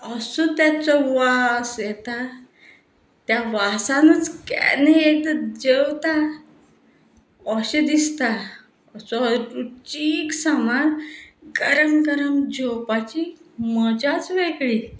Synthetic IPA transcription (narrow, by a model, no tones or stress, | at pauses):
əsɔt̪jat͡sɔʋasjɛt̪a | t̪jaʋasanət͡skɛ̰nejeʈd͡ʑewt̪a | ɔɕed̪ist̪a | əsɔɾut͡ɕiksəmanɡəɾəmkəɾəmd͡ʑʱɔwpat͡ɕiməd͡ʑat͡sʋeɡɭi